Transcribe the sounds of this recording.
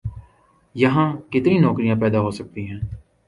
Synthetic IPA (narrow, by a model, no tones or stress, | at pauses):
jəɦãːkɪt̪nĩːnɔːkɾijãːpɛːd̪aːɦoːsək̚t̪iːɦɛ̃ː